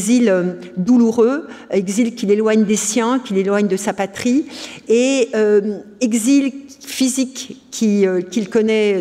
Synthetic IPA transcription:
zilø | d̪uluʁøeɡzilkʲilelwaɲd̪esjɛ̃kʲilelwaɲd̪əsapat̪χieø | ɛɡzilfizikʲʰːiøkʲilkɔnɛ

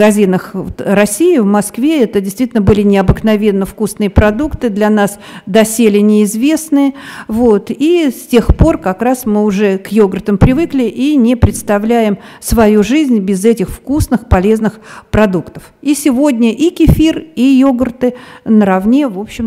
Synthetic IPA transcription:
ɡɐzʲinəxt̪rɐsʲijɪvmɐskvʲe̞ɛt̪ədʲɪst̪vʲitʲɪlnəbɨlʲɪnʲɪɐbɨknɐvʲe̞nːəfkusnɨjəpɾɐd̪ukt̪ɨd̪lʲɐnas | d̪ɐsʲelʲɪnʲɪːzvʲe̞snɨjəvot̪isʲtʲexpo̞rkɐkɾasmɨʊʐɛkjoɡərt̪əmpɾʲɪvɨklʲɪʔinʲɪpɾʲɪt̪st̪ɐvlʲæjɪmsvɐjuʐɨzʲnʲbʲɪzɛtʲɪxfkusnɨxpɐlʲe̞znɨxpɾɐd̪ukt̪ə̥fisʲɪvo̞dʲnʲəʔikʲɪfʲirijoɡərt̪ɨnəɾɐvnʲe̞vopɕːɪm

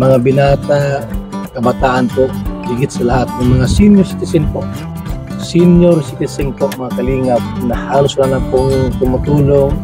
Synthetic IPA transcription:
mɐŋabɪnaːt̪a | kɐbat̪aːʔanpoʔhiɡɪt̪̚sɐlahat̪̚nʊŋmɐŋasinjoɾsɪ̥t̪ɪsɪnpoʔ | sinjoɾsɪt̪ɪsɪŋpoʔmɐŋakɐliːŋat̪̚nɐhaːlʊslanakʊŋt̪ʊmʊt̪uːloŋ

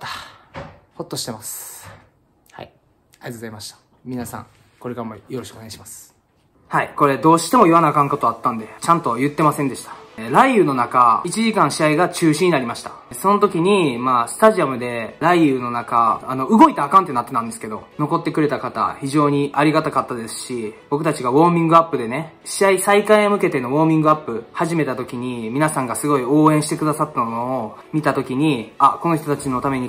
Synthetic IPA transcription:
t̪ḁ | ho̞t̪ːo̞ɕi̥t̪e̞masɨ̥ | ha̰i | aiat̪ozaimaɕi̥t̪ḁ | mʲinasã̰ŋ | ko̞ɾe̞kaɾamo̰jo̞ɾo̞ɕi̥kɯoneaiɕimas | haiko̞ɾe̞d̪o̞ːɕi̥t̪e̞mo̞ianakãŋko̞t̪oat̪ːãnd̪e̞t͡ɕãnt̪o̞jɯ̟t̪ːe̞masẽ̞nd̪e̞ɕi̥t̪ḁɾaijɯ̟ːno̞nakait͡ɕiʑikãɰ̃ɕiaiɡat͡ɕɨːɕiɲ̟inaɾʲimaɕi̥t̪a | so̞no̞t̪o̞kʲiɲ̟imaːsɨ̥t̪aʑiamɯ̟d̪e̞ɾaiɯ̟ːno̞naka̰ːno̞ɯ̟ɡo̞it̪aːkãnt̪e̞nat̪ːe̞t̪ãnd̪e̞sɨ̥ke̞d̪o̞no̞ko̞t̪ːe̞kɯɾe̞t̪akat̪a̰çiʑo̞ːɲ̟iʔaɾʲiɡat̪akat̪ːad̪e̞sɨ̥ɕib̥o̞kɯ̟t̪at͡ɕiɡaβo̞ːmʲĩŋɡɯ̟apːɯ̟d̪e̞ne̞ | ɕiaisaikaiomɯ̟ke̞t̪e̞noβo̞ːmʲĩŋɡɯapːɯ̟haʑime̞t̪at̪o̞kʲiɲ̟imʲinasãŋɡasɨɡo̞io̞ːẽ̞ɰ̃ɕi̥t̪e̞kɯ̟d̪asat̪ːamooː | mʲit̪at̪o̞kʲiɲ̟iako̞no̞çit̪o̞t̪at͡ɕino̞t̪ame̞ɲ̟i

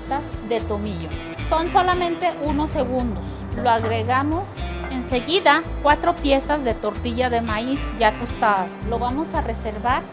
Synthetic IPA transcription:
t̪asðe̞t̪omiʝo | so̞nso̞lamẽ̞nt̪e̞ʔuno̞se̞ɣund̪os | loaɣɾeɣamosense̞ɣiðakwat̪ɾo̞pje̞sazðe̞t̪o̞ɾt̪iʝaðe̞maisʝat̪ost̪aðaslo̞βamo̞sare̞se̞ɾβaɾ

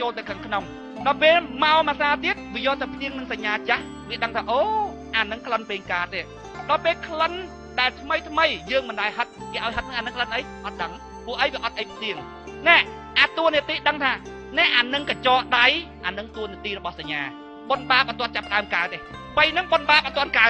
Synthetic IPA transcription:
t͡ɕoːlt̪ɨwkʰaŋkʰnom | ɗɑpeːlmaɔmasaːt̪iət̪̚ʋiəjɔːt̪ɨwpʰliəŋnɨŋsaɲːaːt͡ɕah | ʋiəɗəŋt̪ʰaːʔoː | ʔaːnɨŋkʰlənpeːŋkaːt̪eː | ɗɑpeːlkʰlən | ɗaɛlt̪ʰməjt̪ʰməjjəːŋmɨnɗaɛɦət̪̚keːʔaɔjɦət̪̚nɨŋʔaːnɨŋkʰlənʔəjʔɑt̪̚ɗəŋ | puəhʔəjʋiəʔɑt̪̚ʔəjpʰliəŋ | nɛ̆əʔ | ʔaːt̪uəniət̪iːɗəŋt̪ʰaː | nɛ̆əʔaːnɨŋkat͡ɕɑːʔɗajʔaːnɨŋt̪uəniət̪iːɾɔɓɑhsaɲːaː | ɓonɓaːpʔat̪ŏənt͡ɕapːəɗaəmkaət̪ʔeː | pəjnɨŋɓonɓaːp̚ʔat̪ŏənkaət̚

